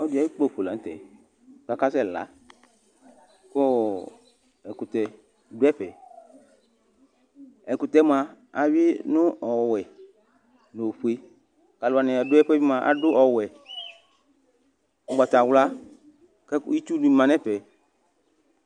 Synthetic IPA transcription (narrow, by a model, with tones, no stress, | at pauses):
ɔ˦du˨a˨˦i˦k͡po˦˨ɸo˨la˨n˦t̪ɛ̰˨ | ka˨ka˦sɛ˦˨la̰˦ | ko˦ | ɛ˨kʊ˨t̪ɛ˨ | dʊ˦ɛ˦ɸɛ˨ | ɛ˨kʊ˨t̪ɛ˦mã˨ | a˨wɪ˦nʊ̃˦ɔ˨wɛ˨ | no˨ɸu˨˦e˦ | ka˨lʊ˨a˨nɛ̃˨a˨dʊ˦ɛ˦ɸɛ˦bi˦mã˨ʔa̰˨dʊ˦ʔɔ˨wɛ˨ | ɔ˨ɡ͡ba˨t̪a˨wla˦ | kɛ˦ki˦t͡ʃu˦nũ˨˦i˨mã˨nɛ̃˦ɸɛ˨